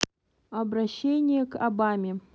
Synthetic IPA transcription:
ɐbɾɐɕːenʲɪjəkɐbamʲɪ

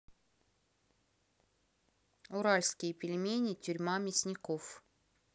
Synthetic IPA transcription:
ʊɾalʲskʲɪjəpʲɪlʲmʲenʲɪtʲʊɾʲmamʲɪsʲnʲɪkof

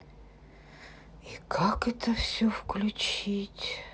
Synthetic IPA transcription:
ikʰakɛt̪ʰəfsʲɵfklʲʉt͡ɕitʲ

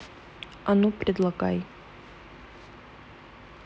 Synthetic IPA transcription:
ɐnupɾʲɪd̪lˠɐɡa̰j

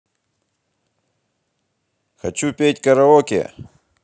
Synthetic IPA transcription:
xɐ̰t͡ɕupʲet̚ʲkɐɾɐɔkʲɪ̰

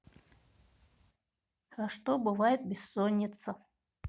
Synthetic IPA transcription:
xaʂt̪obɨvajɪt̪̚bʲɪsːɔnʲːɪt̪sɐ

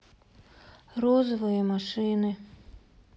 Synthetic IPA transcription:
ɾɔzʋɔjɛmaʃɪnɪ

